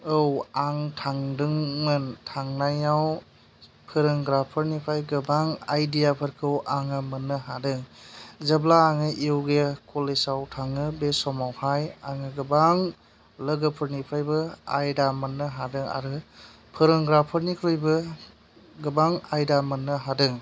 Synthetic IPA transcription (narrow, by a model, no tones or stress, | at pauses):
ɯwaŋtʰaŋdɯŋmɯntʰaŋnajaw | pʰɯɾɯŋɡɾapʰɯɾnipʰajɡɯbaŋajdijapʰɯɾkʰɯwʔaŋɯmɯnːɯɦadɯŋzɐblaːŋɯʔewɡekʰɔlesawtʰaŋɯbesɔmawhajaŋɯɡɯbaŋ | ləɡɯpʰɯɾnipʰajbɯa̰jdamɯnːɯɦadɯŋa̰ɾɯ | pʰɯɾɯŋɡɾapʰɯɾnikʰɾɯjbɯ | ɡɯbaŋajdamɯnːɯɦadɯŋ